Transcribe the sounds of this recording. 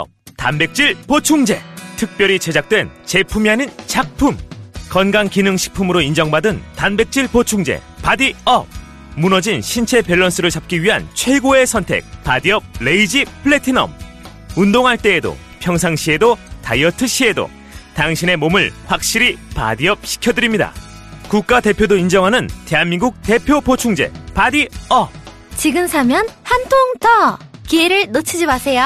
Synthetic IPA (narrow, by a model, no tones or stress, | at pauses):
tanbe̞k̚t͡ɕ͈iɭpot͡ɕʰuŋd͡ʑe̞tʰɯk̚p͈jʌɾit͡ɕe̞d͡ʑak̚t͈we̞nt͡ɕe̞pʰumianɯnt͡ɕak̚pʰumkʌnɡaŋkinɯŋɕʰi̥pʰumɯɾoind͡ʑʌŋbadɯntanbe̞k̚t͡ɕ͈iɭpot͡ɕʰuŋd͡ʑe̞̰ | padiʌp̚ | munʌd͡ʑinɕʰint͡ɕʰe̞peɭːʌns͈ʰɯɾɯɭt͡ɕap̚k͈iɥiɦant͡ɕʰwe̞ɡoe̞sʰʌntʰe̞̰k̚padiʌp̚leid͡ʑipʰɯɭetʰinʌ̰m | undoŋɦaɭt͈e̞ːdo̰ | pʰjʌŋsʰaŋɕʰie̞dota̰jʌtʰɯɕ͈ʰie̞do̰ | taŋɕʰine̞momɯɭɸwak̚ɕ͈iɾipa̰diʌp̚ɕʰi̥kʰjʌdɯɾimɲida̰ | kuk̚k͈ate̞pʰjodoind͡ʑʌŋɦanɯnte̞ɦanminɡuk̚te̞pʰjopot͡ɕʰuŋd͡ʑe̞̰padiʌ | t͡ɕiɡɯmsʰamjʌnhantʰoŋtʌkieɾɯɭnot͡ɕʰid͡ʑimasʰe̞jo